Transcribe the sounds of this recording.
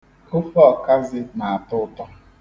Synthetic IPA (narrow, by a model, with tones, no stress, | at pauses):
o˦fɔ˦˨ka˦zɪ˦na˨a˨tʊ˦tɔ˦